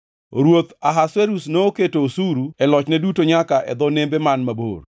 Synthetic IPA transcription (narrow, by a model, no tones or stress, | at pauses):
ɾwot̪aɦaseɾusnooketoːsuɾuɛlɔt͡ʃnɛdutoɲakaʔɛ̰d̪ɔnembɛmanmabo̰r